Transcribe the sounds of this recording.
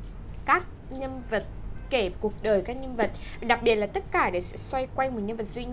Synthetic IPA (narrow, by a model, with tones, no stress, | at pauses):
kaː˦˥k̚ | ɲə˧nvə˨˩t̚ke˧˩vku˨˩ək̚ɗəː˨˩jkaː˦˥k̚ɲə˧nvə˨˩t̚ɗa˨˩k̚ɓi˨˩ət̚laː˨˩t̪ə˦˥t̚kaː˧˩ɗe˧˩sɛ̰˧˥swa˧jkwa˧jŋmo˨˩t̚ɲə˧nvə˨˩t̚zwi˧ɲ